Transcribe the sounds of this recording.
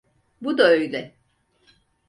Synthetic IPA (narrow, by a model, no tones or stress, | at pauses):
bud̪aøjlʲɛ